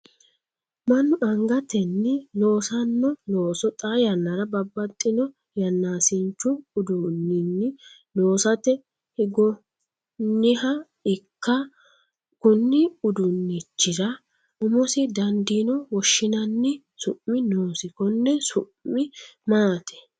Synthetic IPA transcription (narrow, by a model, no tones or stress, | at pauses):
mɐnːʊʔɐŋɡɐt̪ɛnːɪno̞ːsɐnːɔnoːsɔt̪ʼaːjɐnːɐɾɐbɐbːɐt̪ʼːɪnɔ | jɐnːaːsɪnt͡ʃːʊʊd̪ʊnːɪnːɪnoːsɐt̪ɛ | hɪɡɔ | nːɪhɐ | ɪkːɐ | kʊnːɪʊd̪ʊnːɪt͡ʃːɪɾɐ | ʊmɔsɪd̪ɐnd̪inɔwɔʃːɪnɐnːɪ | sʊʔmːɪnoːsɪkɔnːɛsʊ̰ʔɪmaːt̪ʰɛ̥